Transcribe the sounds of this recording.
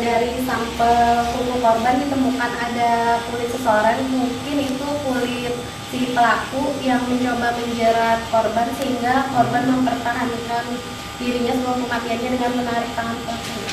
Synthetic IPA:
daɾisampasukukɔrbandit̪əmukanadakulɪt̪səsəoɾanmuŋkɪnit̪ukulɪt̪̚ | sipəlakujaŋməɲt͡ʃobabəɲd͡ʒaɾakɔrbansəɦiŋɡakɔrbanməmpərt̪aɦankan | diɾiɲasəkuakəmat̪ianɲadəŋanmənaɾɪk̚t̪aŋanpɔata

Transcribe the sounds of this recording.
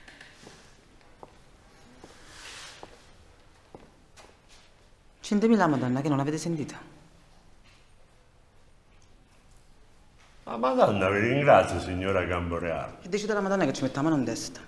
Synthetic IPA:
t͡ʃint̪emiːlamad̪ɔnːakɪnːonaveːt̪ɪsent̪iːt̪ʰḁ | a̰mad̪ɔnːaviɾiŋɡɾat̪sːjosiɲːoːɾaɡamboɾea̰ːled̪ːeit͡ʃiːd̪alamad̪ɔnːaket͡ʃːimet̪ːamaːnʊnt̪ɛst̪ḁ

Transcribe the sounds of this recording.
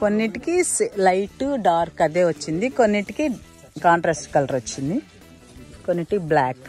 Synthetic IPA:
konːiʈikislɐjʈuɖaːɾkɐd̪eːʋɐt͡ʃːind̪iko̞nːiʈːiki | kaːɳʈɾaːsʈkɐlʈɐɾot͡ʃːind̪i | konːiʈikiblaːk

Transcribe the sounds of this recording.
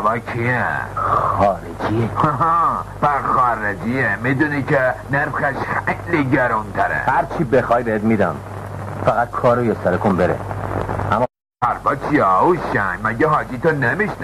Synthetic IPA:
vakʰiexɒːɾed͡ʒihɦɑpæxɒɾed͡ʒiemid̪unikʰeneɾxæʃxejliɟæɾunt̪ʰæɾḛhæɾt͡ʃʰiːbexɒːjbeet̪mid̪ɒ̰n | fæɣæt̪̚kʰɒːɾojest̪ɒɾekʰonbeɾḛʔæmː | pæɾbɒt͡ʃʰiɛuʃæŋmæɟeɦɒːd͡ʒit̪onemiʃn

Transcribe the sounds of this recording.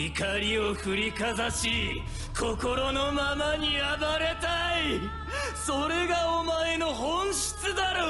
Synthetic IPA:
ikaɾʲio̞ɸɯ̟ɾʲikazaɕi | kʰo̞ko̞ɾo̞no̞mamaɲ̟iabaɾe̞t̪ai | so̞ɾe̞ɡaomae̞no̞ɦõɰ̃ɕi̥t͡sɨd̪aɾo

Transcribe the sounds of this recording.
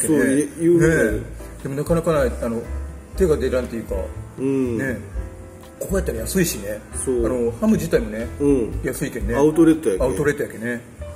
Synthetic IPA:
keoejɯːned̪̥e̞mo̞nakanakanaianot̪e̞ɡad̪e̞ɾãnt̪e̞jɯ̟ːka̰ɯ̃ne̞ | kokojat̪ːaɾajasɨiɕine̞soːano̞hamɯ̟d͡ʑit̪aimo̞ne̞ɯ̃jasɨikenːaɯt̪oɾet̪ːojakaɯ̟t̪o̞ɾe̞t̪ojake̞ne̞

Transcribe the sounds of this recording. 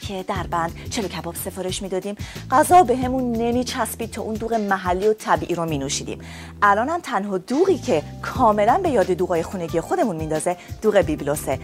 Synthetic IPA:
cʰed̪æɾbænd̪t͡ʃʰe̞locʰæbɒːb̥se̞fɒːɾe̞ʃmiːd̪ɒːd̪iːmɢæzɒːbe̞ɦe̞munːe̞miːt͡ʃʰæspiːd̪̚t̪ʰɒːʔund̪uːɣemæɦælːiːot̪ʰæbiːʔiːɾomiːnuʃiːd̪ḭːm | ʔælɒːnæmt̪ʰænɦɒːd̪uːɣiːcʰe̞ | kʰɒːme̞lænbe̞jɒːd̪e̞d̪uːɣɒːje̞xuːne̞ɟije̞xo̞d̪e̞munmind̪ɒːzed̥̪uːɣebiblose

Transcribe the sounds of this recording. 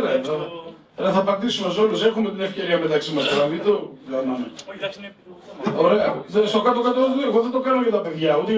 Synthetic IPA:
ɾɐeðo | ɾɐθɐːpɐnd̪isumɐso̞luse̞xume̞t̪ine̞fce̞ɾiɐme̞t̪ɐksimɐspoɾɐðit̪okɐnume | oɾeɐðest̪o̞kɐt̪okɐt̪oeɣoðet̪o̞kɐnoʝɐt̪ɐpe̞ðʝɐot̪e

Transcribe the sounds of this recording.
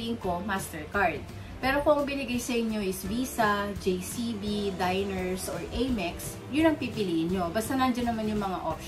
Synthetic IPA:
ɪŋko̞mast̪ɛɹkaɹd̪̚ | pɛːɾo̞koɐŋbɪnɪɡajsɐʔɪɲjo̞ʔɪsviːsɐd͡ʒejsibid̪ajnɛɹsʔoɹʔɛjmɛks | jʊnɐŋpipɪliʔɪnɲo̞baɐst̪aŋand͡ʒɐnːɐmanjʊŋmɐŋa̰ʔop̚ʃ

